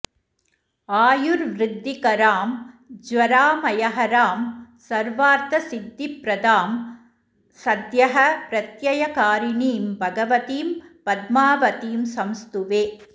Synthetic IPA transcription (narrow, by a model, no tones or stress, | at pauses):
aːjuɾʋɾɪd̪ːikɐɾaːmd͡ʒʋɐɾaːmɐjɐɦɐɾaːmsɐɾʋaːɾt̪ɐsid̪ːipɾɐd̪aːm | sɐd̪jɐɦɐpɾɐt̪jɐjɐkaːɾiniːmbʱɐɡɐʋɐt̪iːmpɐd̪maːʋɐt̪iːmsɐmst̪uʋeː